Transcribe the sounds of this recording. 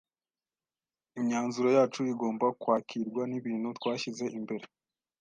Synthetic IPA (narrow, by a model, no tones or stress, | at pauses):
iɲɲaːnzuɾo̞jaːt͡ʃuiɡo̞ːmbakwaːkʰiɾɡwaniβiːn̥hutwaːçize̞ʔimbe̞ɾe